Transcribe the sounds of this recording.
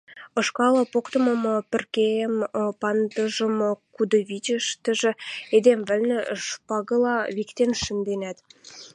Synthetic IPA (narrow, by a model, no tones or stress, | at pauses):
ɤ̆ʃkɑlɑ̆pokt̪ɤ̆mɤ̆mŏpə̆rkeəmpɑnd̪ə̆ʒə̆mɤ̆kud̪ɤ̆βit͡ɕə̆ʃt̪ə̆ʒĕed̪emvɘ̆lnĕʃpɑɣɤ̆lɑβikt̪enʃə̆nd̪enæt̪